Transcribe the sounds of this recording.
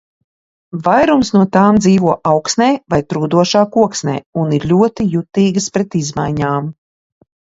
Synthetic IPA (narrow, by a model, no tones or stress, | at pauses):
vajɾumsnuɔt̪aːmd̪ziːvuɔʔawksnɛːvajt̪ɾuːd̪uɔʃaːkuɔksnɛ̰ːuniɾʎʲuɔt̪ijut̪iːɡspɾɛt̪izma̰jɲaːm